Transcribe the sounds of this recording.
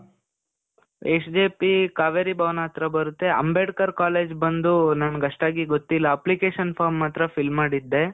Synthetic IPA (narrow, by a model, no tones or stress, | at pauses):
eːsd͡ʒeːpikaːʋeɾibaːʋnaːt̪ɾɐbɐɾut̪ːeɐ̰mbeːɖkɐɾkaːleːd͡ʒbɐnd̪unanɐɡɐʂʈaːɡiɡot̪ːilːɐːplikeːʃɐnpʰaːɾmːaːt̪ɾɐpʰilmːaːɽid̪ːe̞